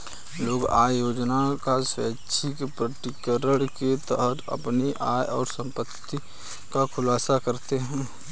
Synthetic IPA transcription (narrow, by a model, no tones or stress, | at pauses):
loːɡa̰ːjoːd͡ʒnakasɛːʃʰikpɾəʈɪkəɾəɽket̪əɦət̪ə̰pniʔaːjɔːɾsə̃mpət̪ːi | kakʰʊlaːsakəɾt̪eɦɛ̃ː